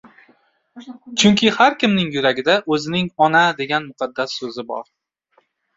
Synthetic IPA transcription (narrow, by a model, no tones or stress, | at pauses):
t͡ʃʰʊŋkʲʰɪhaɾkʲʰɪmnɪŋjʊɾaɡʲɪd̪aʔɵzɪnɪŋɒnad̪e̞ɡʲanmʊqʰɑd̪ːasːɵzɪbɒ̰ɾ